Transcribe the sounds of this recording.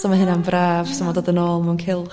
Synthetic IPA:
sɔmaɦɨnambrʔaːv̥sɔmɔdoːdənoːlˠmawnkʰɪlˠ

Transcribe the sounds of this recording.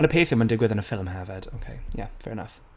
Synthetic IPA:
ə̃nəpʰeɪfɪmə̃ndɪɡwɪðə̃nəfɪlˠmɦavəd̥o̰ʊkʰeɪjæ̰fɛ̰ɹɪnʌ̰f

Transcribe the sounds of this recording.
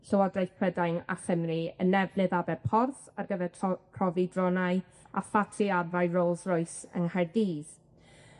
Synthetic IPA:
ɬəwɔdajθkʰrədajna̰χəmriənɛvnɨðabɛpʰɔrθarɡəvɛrʰkʰrɔvidrɔnaɨ | a̰fatʰiadajroːlˠsrɔɨsə̰nhardiːð̥

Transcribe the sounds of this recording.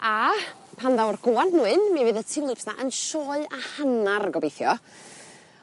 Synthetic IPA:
apʰanðawrɡ̥oːandnuɨnmɛvɨðətʰɪwlˠɪpsna̰ʔənʃɔːɨahanarɡɔbejθjɔ

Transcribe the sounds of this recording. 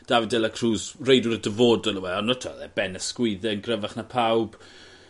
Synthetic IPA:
d̥avɪdɛlakʰruːsrejdwʊɾədəvoːdɔlˠəwɛɔnətʰɔðɛb̥ɛnəskwɪðɛənɡrəvaχnapʰawb̥

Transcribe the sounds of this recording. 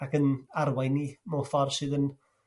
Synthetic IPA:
akənarwajnimofɔrsɨːðən

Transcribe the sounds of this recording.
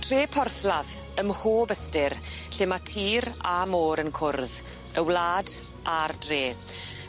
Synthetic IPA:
tʰreːpʰɔrθlað | əmhoːbəstɪrɬɪmatʰiːɾamoːɾənkʰʊrð | əwlaːd | ʔardreː

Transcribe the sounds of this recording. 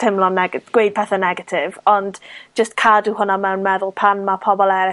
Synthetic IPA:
tʰɪmlˠɔnɛɡɡ̥wejd̥̚pʰɛθanɛɡatʰɪvɔndd͡ʒəstkʰaduɦʊnamɛwnmɛðʊlˠpʰanmapʰɔbɔlˠɛɾɪ

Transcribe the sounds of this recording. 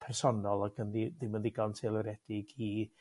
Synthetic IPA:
pʰɛrsɔnɔlˠaɡənðiðɪmənðiɡantʰelˠəɾɛd̥ɪɡi

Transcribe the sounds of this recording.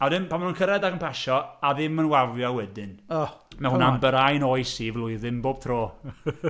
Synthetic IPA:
aðɪmpʰanmanunkʰəɾɛdakəmpʰɛʃɔaðɪmənwavjɔwɛdɪnɔmahʊnambəɾajnoɨsiːvlˠʊɨðɪmboːb̥tʰroː

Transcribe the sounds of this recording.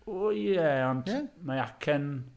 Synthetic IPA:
ojɛɔntmaakʰɛn

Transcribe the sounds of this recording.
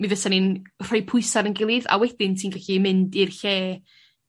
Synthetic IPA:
mivəsanɪnr̥ɔjpʰʊɨsaɾənɡɪlˠɨða̰wɛd̥ɪntʰiːnɡaɬimɪndirɬeː

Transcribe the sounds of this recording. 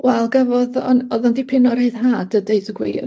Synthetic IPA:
wɛlˠɡavɔðɔnɔðandipʰɪnɔɾeɨðɦaːdədeɨðəɡwḭr

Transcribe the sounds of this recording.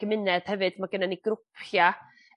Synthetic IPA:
əmɪnɛd̥hɛvɨd̥maɡənaniɡrʊpʰja

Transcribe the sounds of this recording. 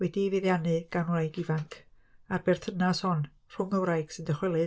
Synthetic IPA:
wɛdiveðjanɨɡ̥anwrajɡivaŋkʰ | arb̥ɛrtʰənashɔn | r̥ʊŋəwɾajɡ̥sɨndəχwɛlˠɨ

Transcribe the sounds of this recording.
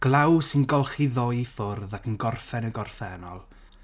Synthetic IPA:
ɡ̥lˠawsɪnɡɔlˠχiðɔjfʊrðakʰənɡɔrfɛnəɡɔrfɛnɔ̰lˠ

